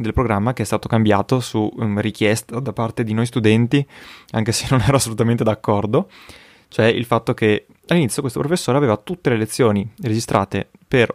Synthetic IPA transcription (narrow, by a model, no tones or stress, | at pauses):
d̪elpɾoɡɾamːakeɛst̪aːt̪okambja̰ːt̪osurik̟jɛst̪ad̪apart̪ed̪inojst̪ud̪ɛnt̪iaŋkesenːonɛːɾoasːolut̪ament̪̬ed̪akːɔrd̪o | t͡ʃoɛḭlfat̪ːoke | alːinit̪ːjokwest̪opɾofesːoːɾeaveːvat̪ut̪ːelelet̪sːjoːnired͡ʒist̪ɾʔa̰ːt̪ḛper